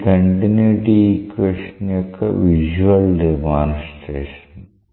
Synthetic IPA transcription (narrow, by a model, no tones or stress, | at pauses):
k̪ɐɳɖineɖikʋeʂɐnjokːḛʋiʒuʋɐldemaːnsʈeːʂɐ̥n